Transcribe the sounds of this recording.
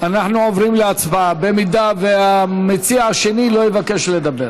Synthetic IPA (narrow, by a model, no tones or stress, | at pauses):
anaħnuovʁimleat͡sbaabe̞mid̪aveamet͡siaaʃe̞nilo̞jevakeʃle̞d̪abe̞ʁ